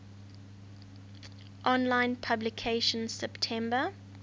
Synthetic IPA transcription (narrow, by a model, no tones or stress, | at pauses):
ʔɔ̃nlãɪ̃npʰablɪkʰeɪʃə̃nsɛptʰɛ̃mbə